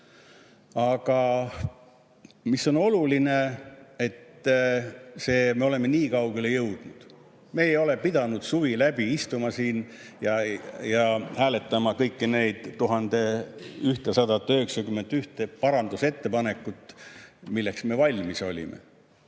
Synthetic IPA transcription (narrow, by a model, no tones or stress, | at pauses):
ɑɡ̥ɑ | misːo̞no̞luline̞et̪ː | se̞ːme̞o̞le̞mːe̞niːkɑwɡe̞le̞jɤwd̪̥nud̪̥ | me̞ːjo̞le̞pid̪̥ɑnud̪̥suvilæb̥iist̪umɑsiːn | jɑjɑhæːle̞t̪ːˑɑmɑkɤjkːine̞jd̪̥ːuɦɑnd̪e̞yht̪esɑd̪ɑt̪ːˑøheksɑkymːe̞nt̪ːyht̪e̞pɑɾɑnd̪use̞t̪ːe̞pɑne̞kːˑut̪ːˑmilːe̞ksme̞vɑlʲmiso̞lʲḭmḛ